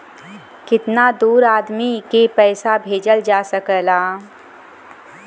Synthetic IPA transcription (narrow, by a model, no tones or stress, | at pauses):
kɪt̪nad̪uːɾaːd̪mikepɛːsabʱeːd͡ʒəld͡ʒaːsəkəlaː